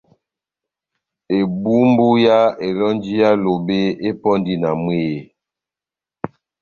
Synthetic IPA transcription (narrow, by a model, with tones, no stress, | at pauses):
e˨bu˦m˦bu˦ja˦e˨lɔ˦nd͡ʒi˦ja˦lo˨be˦e˦pɔ˦ndi˦na˨mwe˦˨